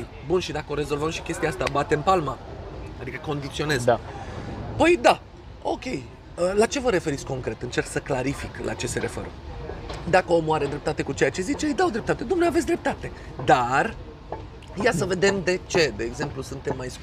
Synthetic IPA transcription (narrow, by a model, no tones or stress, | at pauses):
j | bunʃid̪akəo̞ɾe̞zo̞lvəmʃi̥kʲe̞st̪iaast̪abat̪e̞mpalmaad̪ikəko̞nd̪it̪sio̞ne̞z | pəjd̪a | o̞kʲe̞j | əlat͡ʃe̞vəɾe̞fe̞ɾit̪sʲko̞ŋkɾe̞t̪ɨnt͡ʃe̞rksəklaɾifiklʔa̰t͡ʃe̞se̞ɾe̞fḛɾə̰ | d̪akəomoaɾed̪ɾe̞p̚t̪at̪e̞kut͡ʃe̞jat͡ʃe̞zit͡ʃe̞ɨjd̪awd̪ɾe̞p̚t̪at̪e̞d̪umneaves̬ʲd̪ɾe̞p̚t̪at̪e̞ | d̪ar | jasəve̞d̪e̞md̪e̞t͡ʃe̞d̪e̞ːɡze̞mplusunt̪e̞mːajs